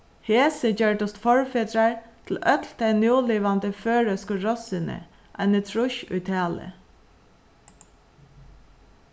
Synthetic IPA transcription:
heːsəd͡ʒœɹɖʊst̪fɔɹfeːd̪ɾɑɹt̪ʰl̩œt̪ld̪̥æɪnjuːliːʋand̪əføːɹœskəɹɔsɪnə̰ | ʔæ̰ɪnət̪ʰɾʊʃʊ̰jt̪ʰæːlə̰

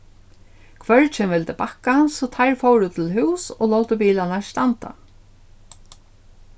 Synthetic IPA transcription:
kʰvœɹt͡ʃʰɛːmvɪlt̪ɪpakːasɔt̪ʰajɹfowɾʊt̪ʰɪlɦʉwsɔ̰lowt̪əpiːlanast̪ant̪a̰

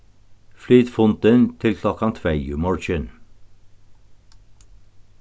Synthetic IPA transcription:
flyːt̪fʊnt̪ənt̪ʰɪlkʰlɔkɑnt̪ʰʋæɪʉ̰ːmɔɹʃən

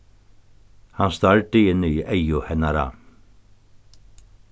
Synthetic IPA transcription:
hanst̪aɹt̪ɪɪnːʏiʔejʊhɛnːaɾa̰

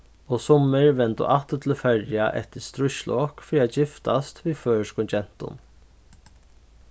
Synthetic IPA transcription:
ɔsɔmɪɹʋɛnt̪ʊ̰ʔat̪ət̪ʰɪlfɛɹjaʔɛ̰ht̪ɪst̪ɾʊʃlɔkfɾiːad͡ʒɪft̪ast̪viːðføːɹskʊnt͡ʃɛn̥t̪ʊ̰n

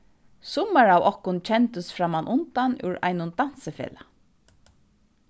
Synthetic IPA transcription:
sʊmːaɹawɔhkʊnt͡ʃʰɛnt̪əsfɾamanʔʊnt̪anʉ̰wɹa̰jnʊnt̪an̥səfḛːla

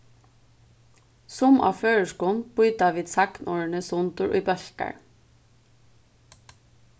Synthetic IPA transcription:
sʊmʔɑ̰ːføːɹəʃkuːn̩b̥ʊʏd̪ɑːʋiːd̪sæknʔoːɹɳəsʊnt̪ʊʔḭːbœɬkæ̰ɹ

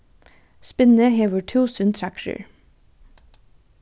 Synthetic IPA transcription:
spɪnəheːʋəʈʰuːsʉnt̪ʰɹækʃə̰ɹ

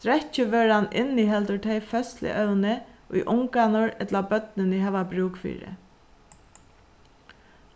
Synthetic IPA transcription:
t̪ɾɛt͡ɕːɪʋœɾanɪ̰nːiɦɛlt̪ʊʈ̪ʰeɪfœst̪lɪ̰ʔœwnɪʔʊ̰jʔʊŋkanʊɹɛt̪labœt̪nɪnɪɦɛːʋabɾuːkfḭːɾɪ̰

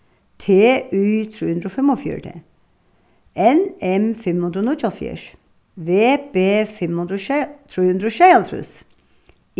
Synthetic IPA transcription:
t̪ʰeːʔyːt̪ʰɾuːhʉnd̪ɾɔfɛmɔfjy̰ːʈʰḛ | ɛnɛmfɛmhʉnɾɔnut͡ʃɔlfḭːɾ | ʋeːbeːfɛmhʉnd̪ɾɔʃt̪ʰɾuːhʉnd̪ɾɔʃɛɪlt̪ʰɾʉ̰s

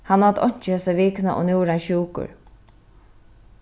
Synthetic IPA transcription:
hanːɔt̪ɔɲ̥t͡ʃɪhɛsaʋiːknaʔɔ̰nuːɾanʃuːkʊ̰ɹ

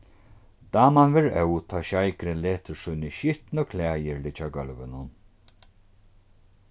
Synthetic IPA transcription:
d̪aːmanvɛɾɛwt̪ʰaːʃajkɾɪleːt̪ɪɾsʊjnɪʃʏht̪nɔkʰlæːjɪɹlɪt͡ʃaɡœlvɪnʊn

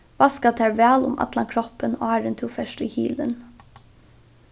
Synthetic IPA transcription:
ʋɑːskɑt̪ʰæːɹʋæːlʊ̰mʔɑ̰t̪lɑŋkʰɾɔpəno̰ːæːɖɛnt̪ʰuːfɛʃʈiːhiːlə̰n

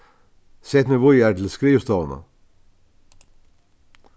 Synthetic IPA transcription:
set̪nəʋʊæːtl̩skɾiːʋst̪oːʋənə̰

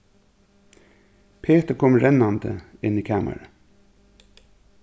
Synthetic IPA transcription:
pʰeːt̪əkʰɔmɹɛnɑnd̪ə̰ɪniːkʰæːmʔə̰ɹə

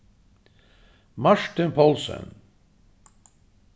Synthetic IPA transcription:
maʂʈ̪ɪnpʰɔlsə̰n

